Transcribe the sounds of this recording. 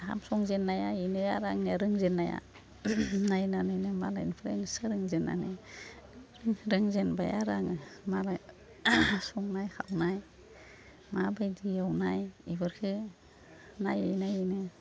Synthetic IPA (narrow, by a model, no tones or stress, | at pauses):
ha̰msɔŋzenːajainɯjaɾaŋniaɾɯŋzenːaja̰ | najnanɯjnɯmalainpʰɾensɯɾɯŋzenːa̰nɯ | ɾɯŋɾɯŋzenba̰ja̰ɾaŋmala | sɔŋnajhʰawnaj | mabajdijawnajibɯɾkʰɯ | najɯjnajɯnɯ